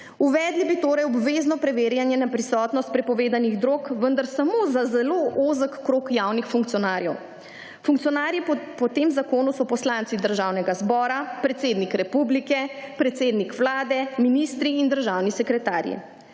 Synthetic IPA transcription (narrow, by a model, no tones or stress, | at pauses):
uʋɛːd̪libit̪oːɾajɔbʋeːznɔpɾɛʋeːɾjanjɛnapɾisɔt̪nɔst̪̚pɾɛpɔʋeːd̪aniɣd̪ɾoːkʋənd̪aɾsamoːzazɛloʔozəkkːɾoːkjawnixfuŋkt̪sijɔnaːɾjɛw | fuŋk̚t̪sijɔnaːɾjipɔt̪emzakoːnusɔpɔslant̪sid̪əɾʒaːwnɛɡazbɔːɾapɾɛt̪seːd̪nikɾɛpublikɛpɾɛt̪seːd̪nikʋlaːd̪ɛminist̪ɾiːnd̪əɾʒawnisɛkɾɛt̪aːɾjḭ